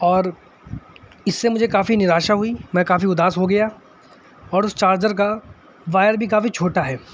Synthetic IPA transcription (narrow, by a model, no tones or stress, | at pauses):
ɔːɾ | ɪsːemʊd͡ʒʱekaːfinɪɾaːʃaɦuimɛ̃kaːfiʊd̪aːsɦoɡɐja | ɔːɾʊst͡ʃaːɾd͡ʒəɾka | ʋaːjəɾbʱikaːfit͡ʃʰoːʈaɦɛː